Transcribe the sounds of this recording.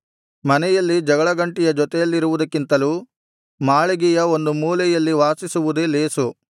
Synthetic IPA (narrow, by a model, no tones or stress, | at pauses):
mɐnɛjɐlːid͡ʒɐɡɐɭɐɡɐɳʈijɐd͡ʒɔt̪ɛjɐlːiɾuʋud̪ɐkːint̪ɐluː | maːɭeɡijɐo̞nd̪umuːlɛjɐlːiʋaːsisuʋud̪ele̞ːsu